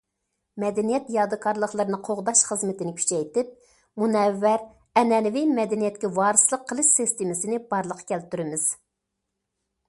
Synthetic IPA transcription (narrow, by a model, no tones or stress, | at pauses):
mɛd̪ɛnijɛt̪jɑːd̪ɨkʰɑɾlˠəχlˠəɾɨnɨqʰoʁd̪ɑʃχəzmɪt̪ɪnɪkʲʰy̥t͡ʃʰɛjt̪ɪp̚ | munɛvːæɾ | ɛnɛlɪvɪmɛd̪ɛnijɛt̪̚kʲɛwɑːɾɨslˠəqʰːəlˠɨʃsɪst̪ɪmɪsɪnɪbɑɾlˠəqʰːɑ̥kʲʰɛlt̪yɾɪmɪz̥